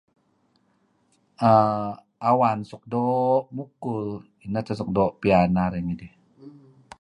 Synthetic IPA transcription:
ʔa | ʔawansuk̚doʔmukːul | inat̪ʰasuk̚doʔpianaɾaŋidi

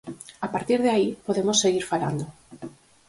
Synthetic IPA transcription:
apaɾt̪iɾðeaipoðemosːeɣiɾfala̰nd̪o

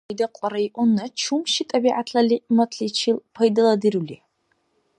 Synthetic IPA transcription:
daqʷʼaɾaiʔʷʊnːat͡ʃʰumʃɪtʼabiʕatʰalimatʰʼɬit͡ʃʰilpʰajdɨladɨruli

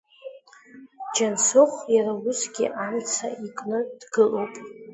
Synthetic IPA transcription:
d͡ʒansʊχʷjaɾawʊsɡʲḭʔamt͡sʰa̰ikʼnɨd̥ɡɨlowpʼ

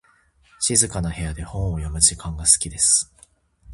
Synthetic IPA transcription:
ɕizɨkanahe̞jad̪e̞hõɰ̃ojomɯ̟ʑikãŋɡasɨ̥kʲid̪e̞sɨ̥

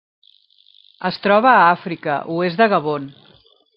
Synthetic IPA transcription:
əst̪ɾɔβəːafɾikə̰ʔuezðəɣəβ̞on

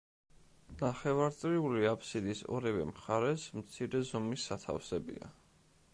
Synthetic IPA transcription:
naχɛvaɾt̪sʼɾiuliapʰsid̪isɔ̰ɾɛvɛ̰mχaɾɛsmt̪sʰiɾɛzɔmisːat̪ʰa̰fsɛbḭa̰

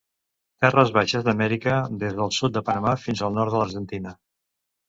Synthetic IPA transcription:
t̪ɛrəzβaʃəzðəmɛɾikəðezðəlˠsut̪̚d̪əpənəmafinzəlˠnɔɾt̪ələɾʒənt̪inə

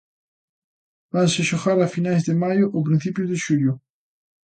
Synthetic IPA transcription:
banseʃoxaɾafinajzðɪmajʊʔop̬ɾĩn̟θipjʊzðɪʃuʎjʊ

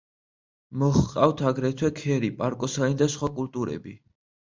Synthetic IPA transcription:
mɔχqʼaft̪ʰaɡɾɛt̪ʰwɛkʰɛɾipʼaɾkʼɔsanid̪asχwakʼult̪ʼuɾɛ̰bi

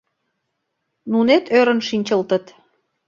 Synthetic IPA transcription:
nunet̪ʰøɾə̆nʃinʲt͡ɕəlt̪ə̆t̪

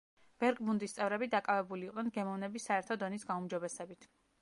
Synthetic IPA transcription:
b̥ɛɾkʼmund̪ist̪sʼɛvɾɛbid̪akʼavɛbuliːqʼnɛnɡɛmɔvnɛbisaɛɾt̪ʰɔd̪ɔnisɡaumd͡ʒɔbɛsɛbit̪ʰ

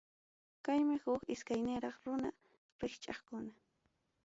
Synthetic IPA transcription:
kajmɪhʊkɪskajnɪɾɑχɾʊna̰ | ɾɪxt͡ʃʼɑχkʊna

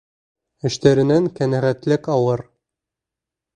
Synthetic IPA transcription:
ɘ̆ʃt̪æɾɘ̆næŋkænæʁæt̪lɘkɑwɤɾ

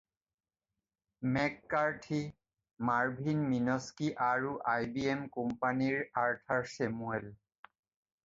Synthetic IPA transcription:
mɛkːaɹʈʰi | maɹbʱinminɔskiʔaɹuʔajbiemkɔmpaniɹaɹtʰaɹsemuel

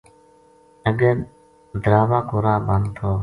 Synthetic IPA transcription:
əɡəɾ | d̪ɾaːʋaːkoːɾãːbənt̪ʰoː

